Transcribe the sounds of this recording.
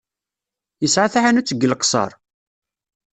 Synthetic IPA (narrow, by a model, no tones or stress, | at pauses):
jəsʕaθaʕanut͡sːəɡːəlqsˤɑ̰ɾˤ